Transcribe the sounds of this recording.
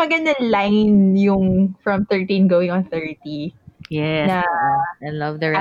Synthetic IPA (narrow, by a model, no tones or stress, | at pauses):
ɐɡɐnd̪ɐnlajnjʊŋfɹɐ̃mθɛ˞t̪ĩnɡowɪ̃ŋɔ̃nθɛɹt̪ijɛnɐaɪlɐvd̪ɐ